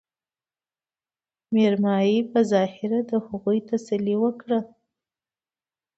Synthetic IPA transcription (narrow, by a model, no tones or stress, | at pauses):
meɾmɑjipəzɑhɪɾad̪əhaɣujt̪asaliwəkɽa